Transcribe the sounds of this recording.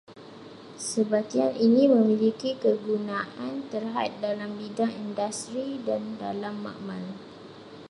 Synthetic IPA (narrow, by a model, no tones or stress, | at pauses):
səbat̪ianinĩmə̃mĩlikikəɡunaʔant̪ərɦa̰t̪̚dalambidaŋindast̪ɾidanda̰lamːã̰ʔmãl